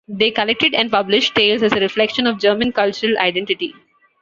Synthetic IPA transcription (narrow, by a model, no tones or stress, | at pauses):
d̪eːkəlek̚ʈɪɖɛ̃ɳɖ̚pʌblɪʃʈʈeːlzæzəɾɪflɛkʃə̃nɔʋd͡ʒəːɾmə̃nkʌlt͡ʃʊɾəla̰ɪɖɛ̃ɳʈɪʈḭ